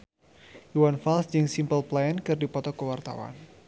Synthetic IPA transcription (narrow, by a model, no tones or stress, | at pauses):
juwanfalsd͡ʒɨŋsimpəlplajankɨrdipɔt̪ɔkəwart̪a̰wa̰n